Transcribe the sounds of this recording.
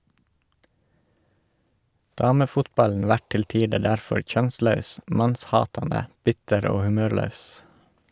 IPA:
ˈdɑːməfʊtˌbɑln̩ ˈʋæʈ ˈtɪl ˈtiːdə ˈɖæɾfɔɾ ˈçœnˌslɑʉs ˈmɑnsˌhɑːtɑndə ˈbɪtəɾ ˈoː hʉˈmøːɾˌlɑʉs

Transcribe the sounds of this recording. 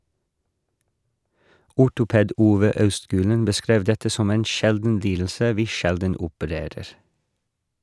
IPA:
ˈʊʈʊˌpeːd ˈuːʋə ˈɑʉstˌɡʉːlən bəˈskɾeːʋ ˈdɛtə ˈsɔm ˈeːn ˈʃɛldn̩ ˈliːdl̩sə ˈʋiː ˈʃɛldən ʊpəˈɾeːɾəɾ

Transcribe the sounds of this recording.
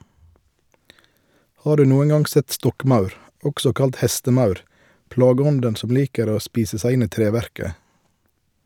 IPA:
ˈhɑː ˈdʉː ˈnuːən ˈɡɑŋ ˈsɛt ˈstɔkˌmɑʉɾ ˈɔɡsɔ ˈkɑlt ˈhɛstəˌmɑʉɾ ˈplɑːɡəˌɔndən ˈsɔm ˈliːkəɾ ˈoː ˈspiːsə ˈsæɪ ˈɪn ˈiː ˈtɾeːˌʋæɾkə

